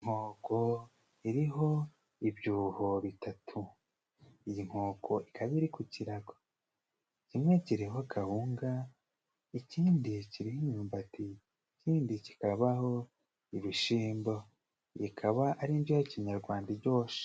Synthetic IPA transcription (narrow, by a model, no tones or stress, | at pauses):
iŋ̥hoːko̞ | iɾiɦo̞ | ibjuːho̞βitʰatʰu | ijiŋ̥ho̞ːko̞ʔikʰaβiɾikuciɾaɡo | icimŋe̞ciɾiɦokʰahuːŋɡa | iciːndiciɾihiɲuːmbati | ciːndici̥kaβaho | iβiʃiːmbo | jikʰaβaʔaɾind͡ʒijaciɲaɾɡwaːndaɟo̞ːʃi̥